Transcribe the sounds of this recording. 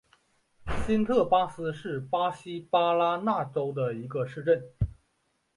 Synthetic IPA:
ɕi˥nt̪ʰɤ˥˩pa˥sɹ̩˥ʂɻ̩˥˩pa˥ɕi˥pa˥la˥na˥˩ʈ͡ʂo˥ʊd̪ə˨i˧˥ɡə˧ʂɻ̩˥˧ʈ͡ʂə˥˩n

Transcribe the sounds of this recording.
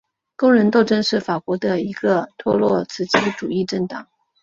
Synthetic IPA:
ko˥ŋɻə˧˥nt̪o˥˧ʊʈ͡ʂə˥nʂɻ̩˥˩fa˨˩kwɔ˧˥d̪ə˧i˧˥ɡ̥ə˧t̪ʰwɔ˥˧lwɔ˥˩t͡sʰɹ̩˥˩t͡ɕʰi˥ʈ͡ʂu˨˩i˥˧ʈ͡ʂə˥˩ŋt̪ɑ˨˩˦ŋ

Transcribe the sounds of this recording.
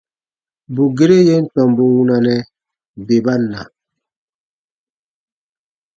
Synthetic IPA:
bu˨ɡe˦ɾe˦je˦n̩˦tɔ˨mbu˨wu˦na˨nɛ˦ | be˨ba˦nːa̰˨

